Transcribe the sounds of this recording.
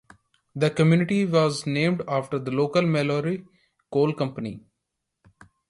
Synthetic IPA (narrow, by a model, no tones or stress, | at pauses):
d̪əkəmjuːnɪʈiʋɔːznẽːmɖaːfʈəɾd̪əloːkəlmɛloːɾi | koːlkʌ̃mpənḭ